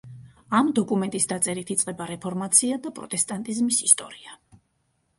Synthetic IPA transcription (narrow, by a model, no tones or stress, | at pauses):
amd̪ɔkʼumɛnt̪ʼisd̪at̪sʼɛɾit̪ʰit̪sʼqʼɛbaɾɛpʰɔɾmat̪sʰiad̪apʼɾɔ̰t̪ʼɛst̪ʼant̪ʼizmisist̪ʼɔɾia